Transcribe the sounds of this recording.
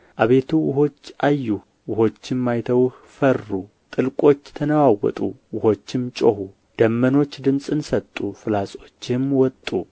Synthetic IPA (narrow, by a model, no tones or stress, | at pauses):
ʔaβe̞t̪ʰuwʊɦo̞t͡ʃːʔajːu | wʊho̞t͡ʃːɪmːajt̪ʰəwh | fərːu | t̪ʼɨlkʼo̞t͡ʃːt̪ʰənəwawɔ̰t̪ʼṵwʊho̞t͡ʃːɪmt͡ʃʼohu | d̪̥əmːəno̞t͡ʃːd̪ɨmsʼɨnsət̪ʼːufɨlasʼo̞t͡ʃːɪmwɔt̪ʼːu